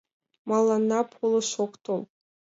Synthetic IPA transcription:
mɑlˠːɑnːɑpʰulˠɤʃokt̪ʰolˠ

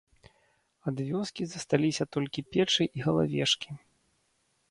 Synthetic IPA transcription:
ad̪vʲɔskʲizɐst̪alʲisʲɐt̪ɔlʲkʲipʲɛt͡ʂɨʔiɣɐlˠa̰vʲɛʂkʲi

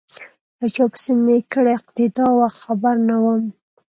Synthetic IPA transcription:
lət͡ʃɑpə̥sɪmekəɽeɪq̚t̪ɪd̪ɑwaxt̪xabaɾnawəm

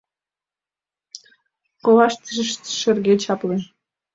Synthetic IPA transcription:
kovɑʃt̪ʃt̪ʃə̆rɣet͡ɕɑple

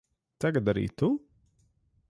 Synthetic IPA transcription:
t̪aɡat̪aɾḭːt̪u

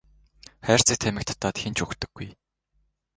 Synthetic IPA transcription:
χæːr̥t͡sĭk̚t̪ʰæmʲɘ̆k̚t̪ʰḁt̪ːaːt̪xent͡ɕɵkt̪ɵ̆ɡ̥ːuj

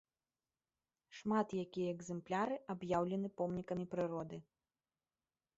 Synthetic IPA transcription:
ʂmat̪jakʲijɐːɡzɛmplʲaɾɨʔabjawlʲɛnɨpɔmnʲikɐmʲipɾɨɾɔd̪ɨ

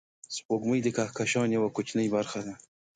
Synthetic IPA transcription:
spoɡməjd̪əkahkaʃɑːnjawakʊt͡ʃnəjbaɾxad̪a

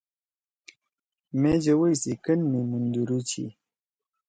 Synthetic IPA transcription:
med͡ʑɐwəjsikənmimund̪uɾut͡ɕʰḭ

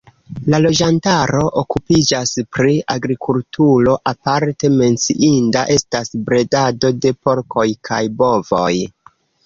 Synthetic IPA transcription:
lalo̞d͡ʒantaɾo̞ʔokupid͡ʒaspɾiaɡɾikʰultʰuɾo̞ʔapaɾte̞me̞nt͡sḭʔindaʔe̞stasbɾe̞dado̞de̞po̞ɾkʰo̞jkʰajbo̞vo̞̰j

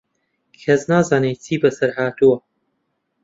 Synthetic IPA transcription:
kʰɐznaːzaːnet͡sʰiːbɐsɐɾhaːt̪uwɐ

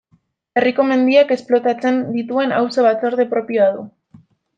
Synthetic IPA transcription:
e̞riko̞me̞nd̪iake̞splo̞t̪at͡se̞nd̪it̪ue̞na̰wso̞βat͡so̞ɾðepɾo̞pijo̞aðu

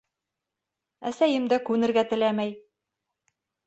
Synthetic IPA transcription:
æsæjɘmd̪ækʉnɘ̆ɾɡæt̪ɘ̆læmæj

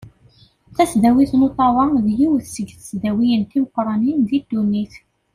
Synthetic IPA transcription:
θæsðæwiθnot̪ˤɑwˤɑðjiwθsəɡθəsðæwijənt̪iməqːɾˤɑninðid̪ːunːiθ

